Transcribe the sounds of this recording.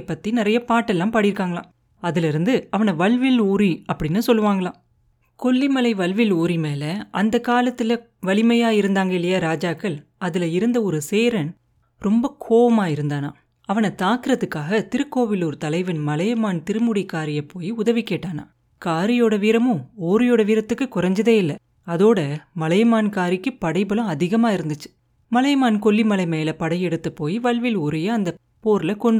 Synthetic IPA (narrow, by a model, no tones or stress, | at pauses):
pːɐt̪ːinɪɾɐjɐpaːʈːɛlːãːmpaːɽɪɾɯkːaːŋɡɐɭã̰ː | ɐðɪlɪɾɯnd̪ɯɐʋɐnɐʋɐɭʋɪluːɾiɐpːɐɽɪnːɯsɔlːɯʋaːŋɡɐɭãː | kɔɭːimɐlɐɪʋɐlʋɪluːɾimeːlɐʔɐnd̪ɐkaːlɐt̪ːɪlɐ | ʋɐlɪmɐjaːɪɾɯnd̪aːŋɡɐɪlːɐjaːɾaːd͡ʒaːkːɐɭɐðɪlɐɪɾɯnd̪ɐɔɾɯseːɾɐn | ɾɔmbɐkʰoːʋɐmaːɪɾɯnd̪aːna̰ː | ɐʋɐnɐt̪aːkɯɾɐðɯkːaːɣɐt̪ɪɾɯkːoːʋɪlɔɾɯt̪ɐlɐɪʋɐnmɐlɐjɐmaːnt̪ɪɾɯmʊɽikːaːɾɪjɐpːoːjiʊðɐʋikːeːʈːaːna̰ː | kaːɾɪjoːɽɐʋiːɾɐmɯ̃oːɾɪjoːɽɐʋiːɾɐt̪ːɯkːɯkʊrɐɲd͡ʒɐðeːɪlːɐ | ɐðoːɽɐmɐlɐjɐmaːnkaːɾɪkːɯpɐɽɐɪbɐlɐ̃ɐðɪɣɐmaːɪɾɯnd̪ɯt͡ʃːɯ̥ | mɐlɐjmaːnkɔɭːimɐlɐɪmɐjɪlɐpɐɽɐjɛɽɯt̪ːɐpːoːjiʋɐɭʋɪlɔɾɐjɐɐnd̪ɐ | poːɾlɐkɔɳɖɯ